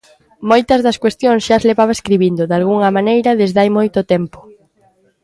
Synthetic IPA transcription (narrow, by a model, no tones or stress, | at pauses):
mojt̪ɐzðɐskwest̪joŋsʃazleβaβɐeskɾiβind̪ʊðalɣuŋɐmanejɾɐðezðajmojt̪ʊt̪ɛmpʊ̥